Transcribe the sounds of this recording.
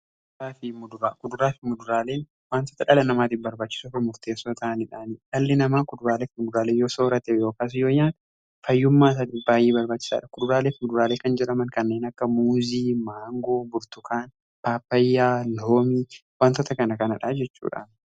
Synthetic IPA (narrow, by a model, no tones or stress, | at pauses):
ɾaːfɪmʊd̪ʊɾaːkʊd̪ʊɾaːfɪmʊd̪ʊɾaːle̞ːn | waːnt̪oːt̪ɐᶑɐlɐnɐmaːt̪ɪfbɐɾbaːt͡ʃːɪ̥suːfɪmʊɾt̪e̞ːsːoːt̪ɐɐnɪᶑaːnɪᶑɐlːɪnɐmaːkʊd̪ʊɾaːleːkmʊd̪ʊɾaːleːnjo̞ːsoːɾɐt̪ɛjo̞ːkaːs̬ɪjoːjːaːn | fɐjːʊmːaːs̬ɐːt̪ifbaːjːeːbɐɾbaːt͡ʃːɪ̥sa̰ːᶑɐkʊd̪ʊɾaːleːfmʊd̪ʊɾaːleːkɐnd͡ʒɛɾɐmɐnkɐnːeːnɐkːɐmuːziːmaːŋɡo̞ːbʊɾt̪ʊkaːn | paːpːɐjːaːloːmiːwaːnt̪ot̪ɐkɐnɐkɐnɐᶑad͡ʒɛt͡ʃːṵːᶑa̰ːn